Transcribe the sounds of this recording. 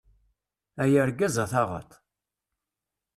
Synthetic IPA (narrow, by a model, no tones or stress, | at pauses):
æjəɾɡæzɑθɑʁə̰t̪ˤ